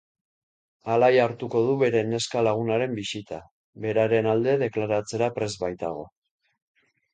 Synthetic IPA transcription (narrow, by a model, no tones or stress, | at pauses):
alajaɾt̪uko̞ð̞uβe̞ɾe̞ne̞skalaɣ̞unaɾe̞mbisit̪a | βe̞ɾaɾe̞nald̪e̞ðe̞klaɾat͡se̞ɾapɾe̞zβajt̪a̰ɣ̞o̞̰